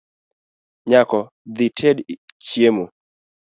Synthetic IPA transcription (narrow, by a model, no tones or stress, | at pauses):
ɲakɔ | d̪itʰed | t͡ʃjemo